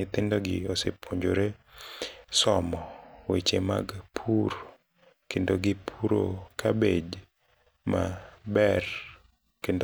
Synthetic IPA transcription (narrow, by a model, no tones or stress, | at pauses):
ɪt̪ɪndoɡɪosepʰoɲd͡ʒoɾe | sɔmɔwet͡ʃema̰ɡpʰuɾ | kendoɡɪpʰuɾo̰kabed͡ʒ | mabɛr | kendo